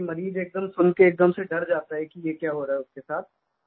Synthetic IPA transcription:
mɐɾiːd͡ʒeːk̚d̪əmsʊnkeːk̚d̪əmseɖɐɾd͡ʒaːt̪aɦɛkijekjaːɦoːɾaɦɛʊskesaːt̪̚ʰ

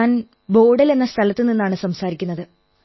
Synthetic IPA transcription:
n | bo̞ːɽɐle̞nːɐst̪ʰɐlɐt̪ːɨninːaːɳɨsɐmsaːɾikʲːunːɐðɨ

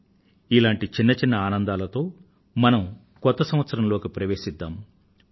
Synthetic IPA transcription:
ilaːɳʈit͡ʃinːɐt͡ʃinːɐaːnɐnd̪aːlɐt̪o̞ː | mɐnɐm | kɔt̪ːɐsɐmʋɐt̪sɐɾɐmlo̞ːkipɾɐʋe̞ːʃid̪ːaːm

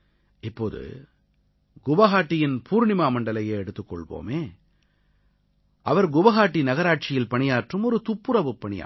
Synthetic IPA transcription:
ɪpːoːðɯ̰ | ɡʊʋɐɣaːʈːɪjɪnpʰuːɾɳɪmaːmɐɳɖɐlɐjeːɛɽɯt̪ːɯkːɔ̰ɭʋo̰ːmeː | ʔɐʋɐɾɡʊʋɐɣaːʈːinɐɣɐɾaːʈ̚t͡ʃɪjɪlpɐɳɪjaːʈrɯmɔɾɯt̪ʊpːɯɾɐʋɯpːɐɳɪja̰ː

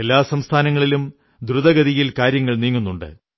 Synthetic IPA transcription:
e̞lːaːsɐmst̪ʰaːnɐŋːɐɭilum | d̪ɾuðɐɡɐðijilkaːɾjɐŋːɐɭniːŋːunːuɳɖɨ̰

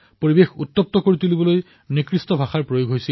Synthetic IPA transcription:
poɹibexut̪ːɔp̚t̪ɔkoɹit̪ulibɔloj | nikɹistɔbʱaxaɹpɹojoɡʱɦojsil

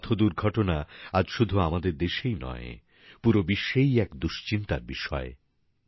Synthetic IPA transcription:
t̪ʰod̪uɾɡʱɔʈonaad͡ʑʃud̪ʱuamad̪eɾd̪eʃejnɔ̰e | puɾobiʃːejɛkd̪uʃt͡ɕint̪aɾbiʃɔ̰e

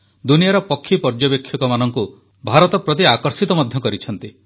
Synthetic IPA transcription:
d̪unijaɾɔpɔkʰːipɔɾd͡ʒɔbekʰːjɔkɔmanɔŋku | bʱaɾɔt̪ɔpɾɔt̪̬iakɔɾsit̪ɔmɔd̪ʱjɔkɔɾit͡ʃʰɔnt̪i

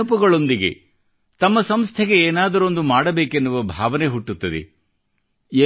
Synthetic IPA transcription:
upɐɡɐɭo̞nd̪iɡe̞̰ | t̪ɐmːɐsɐmst̪ʰeɡe̞eːnaːd̪ɐɾo̞nd̪umaːɽɐbeːkenːuʋɐbʱaːʋɐneɦuʈːut̪ːɐd̪ḛ | e

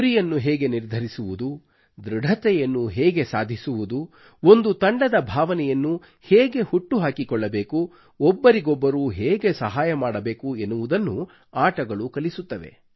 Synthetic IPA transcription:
uɾijɐnːuɦɛːɡe̞niɾd̪ʱɐɾisuʋud̪u | d̪ɾɐɽʱɐt̪ɛjɐnːuɦɛːɡe̞saːd̪ʱisuʋud̪u | ond̪ut̪ɐɳɖɐd̪ɐbʱaːʋɐnɛjɐnːu | hɛːɡe̞huʈːuɦaːkikɔɭːɐbeːku | ɔbːɐɾiɡɔbːɐɾuːɦeːɡe̞sɐɦaːjɐmaːɽɐbe̞ːkuenːuʋud̪ɐnːu | aːʈɐɡɐɭukɐlisut̪ːɐʋe̞̰

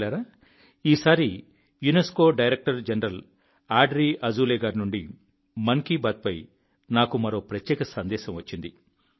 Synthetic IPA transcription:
aːɾaː | iːsaːɾi | junesko̞ːɖɐjɾek̚ʈɐɾd͡ʒɐnɾɐl | aːɖɾiːʔɐd͡ʒuːleːɡaːɾnuɳɖi | mɐŋkibaːt̪̚pɐj | naːkumɐɾo̞ːpɾɐt̪jɛːkɐsɐnd̪ɛːʃɐmʋɐt͡ʃːind̪i

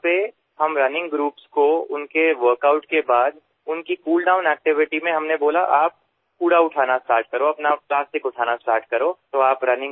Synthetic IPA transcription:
pe | ɦɐmɾɐnɪ̃ŋɡɡɾuːpskoʊnkeʋəɾkaʊʈkebaːd̪ | ʊnkikuːlɖaːʊ̃nɛːk̚ʈɪʋɪʈimẽɦɐmneboːlaʔaːp̚ | kuːɽaʊʈʰaːnasʈaːɾʈ̚kɐɾoɐpnaplaːsʈɪkʊʈʰaːnasʈaːɾʈkɐɾoːt̪oaːpɾɐnɪ̃ŋ

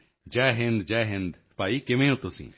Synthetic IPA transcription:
d͡ʒɛːɦẽnd̪d͡ʒɛːɦẽnd̪ | paːikemẽːɦot̪osḭ̃ː

